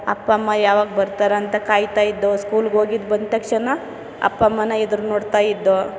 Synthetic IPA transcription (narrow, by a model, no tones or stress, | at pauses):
ɐ̰pːɐmːɐjaːʋaːɡbɐɾt̪aːɾeɐnt̪ɐkaːjt̪aːjid̪ːoskuːlɡoːɡid̪bɐnd̪̚t̪ɐkʂɐnɐ | ɐ̰pːɐmːɐnːɐed̪ɾunoːɽt̪aːjid̪ːo